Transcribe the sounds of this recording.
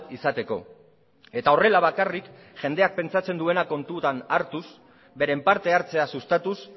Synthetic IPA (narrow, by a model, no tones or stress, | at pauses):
isat̪e̞ko̞ | e̞t̪ao̞re̞laβakarik | ʝe̞nd̪e̞ak̚pe̞nt͡sat͡se̞nd̪ue̞nako̞nt̪ut̪anaɾt̪us | be̞ɾe̞mpaɾt̪e̞aɾt͡se̞asust̪at̪us